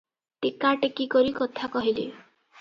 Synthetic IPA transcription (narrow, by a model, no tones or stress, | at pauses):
t̪ikaʈekikɔɾikɔt̪ʰakɔɦilḛ